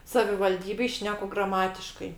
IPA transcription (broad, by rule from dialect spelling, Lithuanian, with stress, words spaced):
sɐʋʲɪʋɐlʲˈdʲiːbʲeːj ˈʃʲnʲæːkʊ ɡrɐˈmɑːtʲɪʃkɐɪ